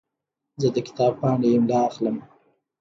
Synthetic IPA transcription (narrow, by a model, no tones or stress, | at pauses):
zəd̪əkɪ̥t̪ɑb̚pɑɳeɪmlɑːxləm